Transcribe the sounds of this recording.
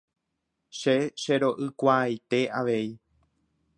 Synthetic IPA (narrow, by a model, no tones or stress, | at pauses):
ʃeʃeɾo̞ʔɨkʷajt̪e̞aʋe̞i